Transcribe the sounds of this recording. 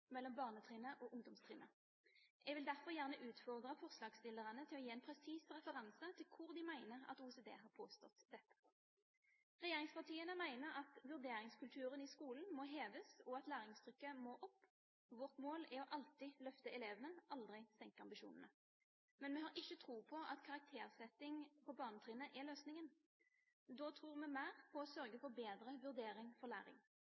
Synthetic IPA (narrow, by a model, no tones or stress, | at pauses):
mɛlːɔmbɑːʁnət̪ʰʁiːnəʔɔːʔʊŋd̪ɔmst̪ʰʁiːnə | ʔɛɡʋɪld̪æʁfɔʁjæʁnəʔʉːt̪fɔʁd̪ʁəfɔʁslɑːɡst̪ɪlːəʁənət̪ʰɪlɔjiːɛnpʰʁɛsiːsʁɛfəʁɑnsət̪ʰɪlkʰʊʁd̪ɪmæɪnəʁɑ̰t̪uːseːd̪ḛːɦɑːʁpʰoːst̪ɔt̪d̪ɛt̪ːə̥ | ʁɛjeːʁɪŋspɑʁt̪ʰiːənəmæɪnəʁɑt̪ʋʉʁd̪eːɾɪŋskʉlt̪ʰʉːʁənɪskuːln̩mɔɦeːʋəsɔɑt̪læːʁɪŋst̪ʰʁʏkːəmɔʔɔpː | ʋɔʁt̪moːlɛɾɔʔɑlt̪ɪlœft̪əɛleːʋənəʔɑld̪ʁɪst̪ɛŋkəɑmbɪʃṵːnənə | mɛnmɛɦɑɾɪçːət̪ʰʁuːpʰɔʔɑ̰t̪kʰɑʁɑk̚t̪ʰeːʁsɛt̪ːɪŋpʰɔbɑːʁnət̪ʰʁiːnəʔɛløːsnɪŋən | d̪oːt̪ʰʁuːʁmɛmæːʁpʰɔɔsœʁɡəfɔʁbeːd̪ɾəʋʉʁd̪eːɾɪŋfɔʁlæːɾɪ̰ŋ